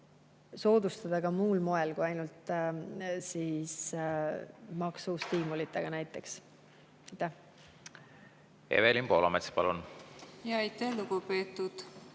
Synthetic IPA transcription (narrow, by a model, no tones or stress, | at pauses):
so̞ːd̪̥ust̪ɑd̪̥ɑɡɑmuːlmo̞e̞lkuɑjnult̪ˑ | sis | mɑksust̪iːmulit̪ːˑeɡ̥ɑnæjt̪ːˑe̞ks | ɑjt̪ːæh | ḛvelimpo̞ːlomet̪spɑ̰lunjɑɑjt̪æhluɡupeːt̪ːˑud̪̥